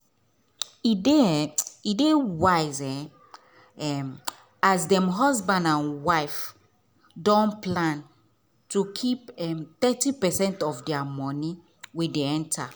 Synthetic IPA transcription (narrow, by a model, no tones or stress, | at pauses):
ideidewaɪzɛ | ɛm | azdɛ̃mɦɔzbãndãnwaɪf | dɔ̃nplãn | tukʰipɛmt̪ɛtipɛsɛ̃ntɔfdɛamɔ̃ni | wideɛ̃ntʰa